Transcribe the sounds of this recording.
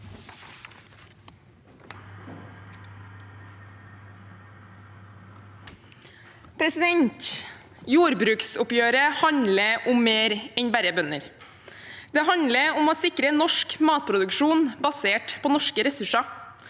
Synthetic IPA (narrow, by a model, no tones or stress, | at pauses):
pʰɾɛsɪd̪ɛɲt̪ | juːɾbɾʉːksʊpjøːɾəhɑɲləʔʊmmeːɾɛɲbæɾəbœnə̰ɾ | d̪̥ɛːhɑnləʊmoːsɪkɾənɔʃkmɑːt̪̚pʰɾʊd̪ʉkʃuːnbɑseːʈpʰoːnɔʃkəɾɛsʉʂɑ